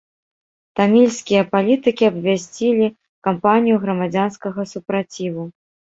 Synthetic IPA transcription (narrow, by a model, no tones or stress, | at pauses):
t̪amʲilʲsʲkʲijɐpalʲit̪ɨkʲiɐbvʲasʲt͡sʲilʲi | kampanʲijuɣɾɐmad͡zʲanskɐɣɐsupɾat͡sʲivu